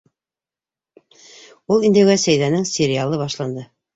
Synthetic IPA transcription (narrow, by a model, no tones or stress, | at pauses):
ulˠind̪ɘwæsæjðænɘŋsʲɪɾʲɪalˠɤβɑʃlˠɑnd̪ɤ